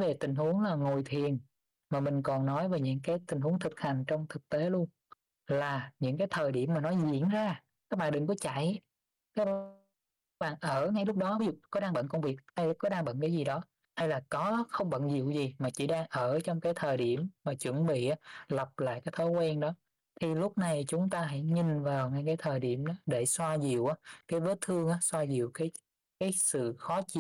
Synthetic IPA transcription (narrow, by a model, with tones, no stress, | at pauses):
ve˨˩t̪ï˨˩ŋ̟hu˨˦əŋlaː˨˩ŋo˨˩jt̪ʰi˨˩ən | maː˨˩mï˨˩ŋ̟kɔ˨˩nːɔ˨˦jve˨˩ɲɨ̰˧˥ŋkaː˨˦jt̪ï˨˩ŋ̟hu˨˦əŋt̪ʰɨ˨˩k̚ha˨˩jŋ̟t͡ɕɔ˧wŋ͡mt̪ʰɨ˨˩k̚t̪e˨˦lu˧ən | laː˨˩ɲɨ̰˧˥ŋkaː˨˦jt̪ʰəː˨˩jɗi˧˩əmːaː˨˩nɔ˨˦jzḭ˧˩˥ənzaː˧ | ka˦˥k̚ɓaː˧˨nɗɨ˨˩ŋkɔ˨˦t͡ɕa̰˧˨j | kaː˦˥k̚ | ɓa̰ː˧˨nʔəː˧˩ŋa˧jlʊ˦˥k͡p̚ɗɔ˨˦vi˨˦zṵ˧˨kɔ˨˦ɗaː˧ŋɓə̰˧˨nkwŋ͡mvi˨˩ək̚ha˧jlkɔ˨˦ɗaː˧ŋɓə̰˧˨nkaː˨˦jzi˨˩ɗɔ˨˦ | ha˧jlaː˨˩kɔ˨˦xə˧wŋ͡mɓə̰˧˨nzḭ˧˨əwzi˨˩maː˨˩t͡ɕḭ˧˩ɗaː˧ŋʔəː˧˩t͡ɕɔ˧wŋ͡mkaː˨˦jt̪ʰəː˨˩jɗi˧˩əmmaː˨˩t͡ɕwə̰˧˩ənɓḭ˧˨ʔaː˨˦lə˨˩p̚la̰ː˧˨jkaː˨˦jt̪ʰɔ˨˦jkwɛ˧nɗɔ˨˦ | t̪ʰi˨˩lʊ˦˥k͡p̚na˨˩jt͡ɕʊ˨˦ŋ͡mt̪aː˧ɦa̰˧˥jɲi˨˩nvaː˨˩wŋa˧jkaː˨˦jt̪ʰəː˨˩jɗḭ˧˩əmɗɔ˨˦ɗe˧˩swaː˧zi˨˩əwʔaː˨˦kaː˨˦jvəː˨˦t̪ʰɨ˧əŋʔaː˨˦swaː˧zi˨˩əwkaː˨˦j | kaː˨˦jsɨ̰˧˨xɔ˨˦t͡ɕḭ˧˨